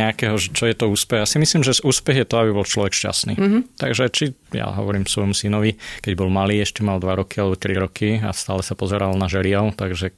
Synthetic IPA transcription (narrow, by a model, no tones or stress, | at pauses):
ɛakɛɦɔʒɛt͡ʃɔjɛt̪ɔuːspɛɦasimisliːmʒɛzuːspɛɣjɛt̪ɔabibɔlt͡ʃlɔʋɛkʃca̰snḭːt̪aɡʒɛt͡ʃija̰ɦɔ̰ʋɔɾiːmsʋɔjmusinɔʋikɛɟbɔlmaliːɛʃcɛmald̪ʋaɾɔkialɛbɔt̪ɾiɾɔkʰiast̪aːlɛsapɔzɛɾalnaʒɛlɪɛʊt̪aɡʒɛ